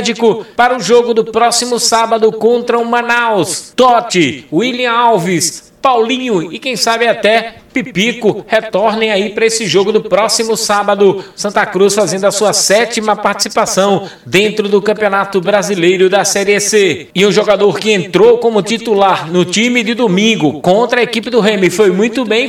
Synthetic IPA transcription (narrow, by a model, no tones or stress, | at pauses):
d͡ʒikʊpaɾɐʊʒoɡʊd̪ʊpɾɔsimʊsabɐd̪ʊkõnt̪ɾɐumɐ̃nawst̪ɔt͡ʃɪiliɐ̃awvis | pawlĩɲʊɪkẽj̃sabɪat̪ɛpipikʊhet̪ɔɾnẽj̃aipaɾɐesɪʒoɡʊd̪ʊpɾɔsimʊsabɐd̪ʊsɐ̃nt̪ɐkɾusfazẽnd̪ʊɐsuɐsɛt͡ʃimɐpaɾt̪i̥sipasɐ̃w̃ | d̪ẽnt̪ɾʊd̪ʊkɐ̃mpiõnat̪ʊbɾazilejɾʊd̪ɐsɛɾiɛse | ɪũʒoɡad̪oɾkɪẽnt̪ɾowkõmʊt̪it̪ulaɾnʊt͡ʃĩmɪd͡ʒ̪ɪd̪omĩɡʊkõnt̪ɾɐekipɪd̪ʊɦẽmɪfojmũj̃t̪ʊbẽj̃